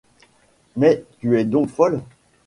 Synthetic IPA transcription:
mɛt̪yɛd̪ɔ̃kfɔl

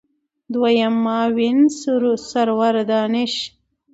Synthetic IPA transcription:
d̪wajamːɑːwinsuɾusaɾwaɾd̪ɑːnɪʃ

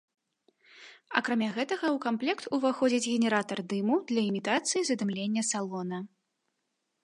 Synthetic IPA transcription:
a̰kɾamʲaɣɛt̪ɐɣɐwkamplʲɛkt̪uvaxɔd͡zʲid͡zʲɣʲɛnʲɛɾat̪ɐrd̪ɨmud̪lʲɐimʲit̪at̪sɨjizɐd̪ɨmlʲenʲːɐsalˠɔnɐ

